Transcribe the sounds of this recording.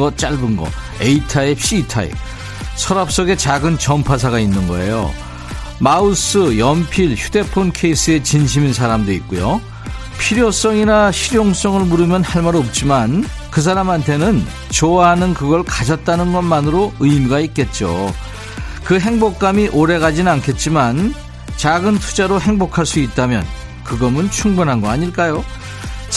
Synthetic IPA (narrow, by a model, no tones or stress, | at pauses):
ʌt͡ɕ͈aɭbɯnɡʌ̰ | eitʰaeɕʰitʰa̰ḛ | sʰʌɾap̚s͈ʌɡe̞t͡ɕaɡɯnt͡ɕʌmpʰas̬ʰaɣainːɯnɡʌe̞̰jo̰ | maus͈ɯjʌmpʰiɭçude̞pʰonkʰe̞is͈ɯe̞t͡ɕinɕʰiminsʰaɾamdoik͈ujo | pʰiɾjos͈ʌŋinaɕʰiɾjoŋs͈ʌŋɯɭmuɾɯmjʌnhaɭmaɾop̚t͡ɕ͈iman | kɯs̬ʰaɾamɦantʰe̞nɯn | t͡ɕoaɦanɯnkɯɡʌɭkad͡ʑʌt̚t͈anɯnɡʌnmanɯɾoɯimuɡaik͈e̞t̚t͡ɕ͈o̰ | kɯɦe̞ŋbok̚k͈amiʔoɾe̞ɣad͡ʑinɯnankʰe̞t̚t͡ɕ͈iman | t͡ɕaɡɯntʰud͡ʑaɾoɦe̞ŋbokʰaɭs͈uit̚t͈amjʌ̰n | kɯɡʌmɯnt͡ɕʰuŋbunɦanɡʌaɲiɭk͈ajo | t͡ɕ